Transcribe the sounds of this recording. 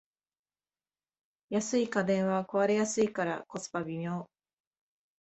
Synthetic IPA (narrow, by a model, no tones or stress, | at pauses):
jasɨikad̪ẽ̞ɰ̃βako̞βaɾe̞jasɨikaɾa̰ko̞t͡sɨ̥pabʲimʲjoː